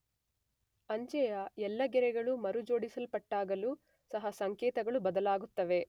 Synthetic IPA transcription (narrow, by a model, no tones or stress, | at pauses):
ɐɲd͡ʒɛjɐɛlːɐɡɛɾɛɡɐɭumɐɾud͡ʒo̞ːɽisɐlpɐʈːaːɡɐluː | sɐɦɐsɐŋkɛːt̪ɐɡɐɭubɐd̪ɐlaːɡut̪ːɐʋe̞